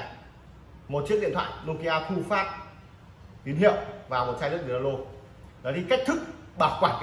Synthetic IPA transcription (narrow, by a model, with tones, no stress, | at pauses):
mo˨˩t̚t͡ɕi˦˥k̚ɗḭ˧ənt̪ʰwa̰ː˧˨lu˧ki˧ʔaː˧xu˧faː˦˥p̚ | ɓi˨˦nɦḭ˧˨əwvaː˨˩mo˨˩t̚sa˧lɨ˦˥əɓi˨˦˨a˧lo˧ | ɗɔ˨˦ti˧kk̚t̪ʰɨ˦˥k̚ | ɓaː˨˩kwaː˧˩n